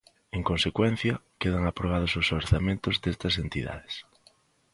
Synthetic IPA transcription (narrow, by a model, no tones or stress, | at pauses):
eŋkõnsekwen̟θjakeð̞aŋapɾoβ̞að̞ososoɾθamẽnt̪ozðest̪asent̪iða̰ðe̥s